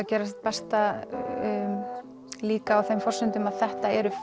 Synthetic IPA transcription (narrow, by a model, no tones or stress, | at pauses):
acɛːɾast̪̚pɛst̪a | liːkaːwθejmfɔrsʏnt̪ʏmaðθɛht̪aɛɾʏ